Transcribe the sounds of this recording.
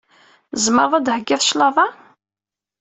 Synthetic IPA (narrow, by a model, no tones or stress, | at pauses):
zməɾˤðˤæd̪həɡːɪðˤʃlɑðˤɑ